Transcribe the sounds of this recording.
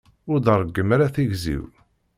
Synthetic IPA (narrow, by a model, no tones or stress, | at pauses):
ʊɾðərˤːəɡːəmaɾaθiʝzḭw